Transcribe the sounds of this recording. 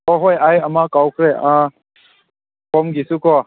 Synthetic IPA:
ɔɦojajamakawkʰɾeã | pʰɔmɡisukɔ

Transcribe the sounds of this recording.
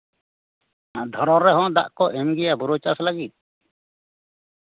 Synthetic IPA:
d̪ʱɔɾɔɾːɛɦɔ̃d̪a̰ʔkɔʔɛmɡɛjabuɾot͡ʃaslaɡit̪̚

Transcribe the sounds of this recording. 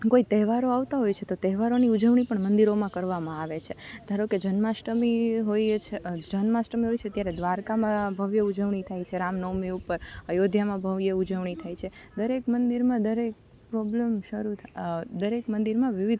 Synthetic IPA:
koit̪ɛɦʋaɾoaʋt̪aɦojt͡ʃʰet̪ot̪ɛɦʋaɾoniud͡ʒəʋɳ̃ipəɳmənd̪iɾomãkəɾʋamãaʋet͡ʃʰed̪ʱaɾoked͡ʒənmasʈəmiɦojt͡ʃʰed͡ʒənmasʈəmiɦojt͡ʃʰeət̪jaɾed̪ʋaɾkamãbʱəʋjəud͡ʒəʋɳit̪ʰajt͡ʃʰeɾamnomiupəɾəjod̪ʱjamãbʱəʋjəud͡ʒəʋɳ̃it̪ʰajt͡ʃʰed̪əɾekmənd̪iɾmãd̪əɾek̚ | pɾɔblemʃəɾut̪ʰad̪əɾekmənd̪iɾmãʋiʋid̪

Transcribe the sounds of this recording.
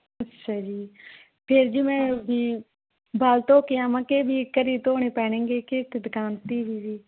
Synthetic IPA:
ətːʃʰaːd͡ʒiː | pʰɪɾd͡ʒiːmɛ̃ːbʱiː | baːlt̪oːkɪjãːmãːkeːbʱiːkəɾiːt̪oːɽ̃eːpɛ̃ːɽ̃ẽːŋɡeːkeːt̪ɪd̪kaːnt̪iːbʱiːʋiː

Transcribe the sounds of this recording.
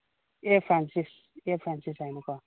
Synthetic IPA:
efɾansis | efɾansisajmukɔ

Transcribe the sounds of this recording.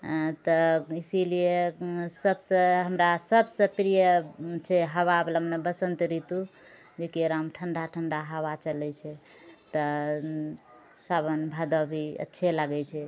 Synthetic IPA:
t̪ɔisilijesəbsə̃ɦəmɾasəbsə̃pɾijət͡ʃʰɛɦəβabləmnebəsənt̪ɾit̪u | d͡ʒekiɾamʈʰəɳɖaʈʰəɳɖaɦəʋat͡ʃəlɛt͡ʃʰɛ | t̪ə | sabənbʱad̪əbʱiə̰tːʃʰɛlaɡɛt͡ʃʰɛ

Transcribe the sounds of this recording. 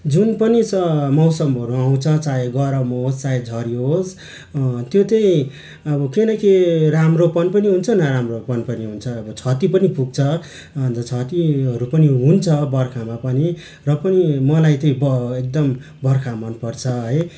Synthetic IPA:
d͡zunpʌnit͡sʌmʌwsʌmɦʌɾuaw̃t͡sʰʌt͡saeɡʌɾawmʌɦod͡zt͡saed͡zʱʌɾiɦod͡z | t̪jot̪ʌĩ | ʌbʌkinʌkiramropʌnpʌniɦunt͡sʰʌnʌɾamropʌnpʌniɦunt͡sʰʌːbʌt͡sʰʌt̪ipʌnipuɡ̚t͡sʰʌ | ʌnʌt͡sʰʌt̪iɦʌɾupʌniɦunt͡sʰʌbʌrkʰamapʌni | rʌpʌnimʌlajt̪ʌĩbʌek̚d̪ʌm | bʌrkʰamʌnpʌrt͡sʰʌɦʌj

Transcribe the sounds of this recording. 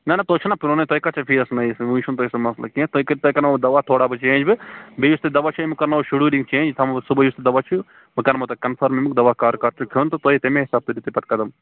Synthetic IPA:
nɐnɐt̪oːt͡ʃʰunapiɾoːnɐt̪oːikɐt͡ʃʰɐpʰiːɐsnɐsũːt͡ʃʰunt̪oːisɐmɐslɐ̰kĩt̪oikɐɾʲt̪oikɐnd̪ɐʋaːt̪ʰoːɽabɨt͡ʃẽːd͡ʒbɨbijust̪ɨd̪ɐʋaːt͡ʃʰuimɨkɐɾnaoʃuɽuːɾiŋɡt͡ʃẽːnd͡ʒt̪ʰɐmɨsubɐjust̪ɨd̪ɐʋat͡ʃʰu | mɨkɐnmɐt̪ɐkɐnfʰɐɾmimɨkd̪ɐʋakaːɾkaɾt͡ʃʰukʲʰoːnt̪ot̪oːit̪emẽɦisaːb̚t̪ɨɾit̪ɨpɐt̪kɐd̪ɐm

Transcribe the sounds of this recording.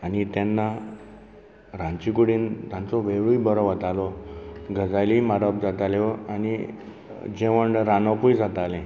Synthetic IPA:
anit̪janːa | ɾãnt͡ɕikuɽiːnt̪jãnt͡sɔʋeʋɭuibəɾɔʋət̪alɔɡəd͡zajlimaɾəp̚d͡zat̪aleani | d͡ʑeʋəɳɖɾanəpujd͡zat̪alẽ

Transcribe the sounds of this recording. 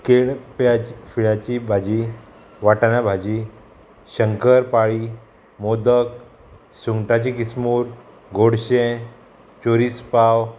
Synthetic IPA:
keɭpjafiɭat͡ɕibʱad͡ʑi | ʋaʈaɳjabʱad͡ʑi | ɕəŋkəɾpaɭiː | mod̪ək | suŋɡʈat͡ɕikismuːɾ | ɡoɽɕẽ | t͡ɕoɾispaw

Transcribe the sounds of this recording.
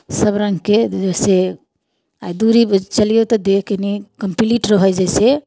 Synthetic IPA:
səbɾə̃ŋɡked͡ʒese | ajd̪uɾibt͡ʃəlijot̪ɔd̪ekʰkenikəmpliʈɾəɦəd͡ʒajse

